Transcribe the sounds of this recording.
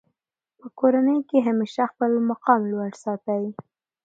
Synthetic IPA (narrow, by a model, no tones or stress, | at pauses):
pəkoɾanəjkeɦameʃaxpəlmaqɑmlwaɽsɑt̪awi